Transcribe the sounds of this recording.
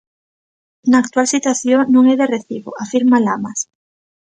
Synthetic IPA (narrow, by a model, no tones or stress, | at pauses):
naːk̚t̪walsit̪waθjonũŋeðereθiβo̰afiɾmalamas